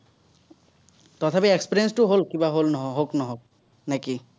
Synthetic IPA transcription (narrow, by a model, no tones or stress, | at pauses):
t̪ɔt̪ʰapiekspiɾiensʈuɦolkibaɦolnɔɦɦoknɔɦok̚ | nɛki